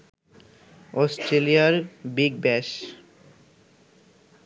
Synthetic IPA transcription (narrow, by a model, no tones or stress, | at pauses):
ɔsʈɾelijaɾbiɡ̚bɛʃ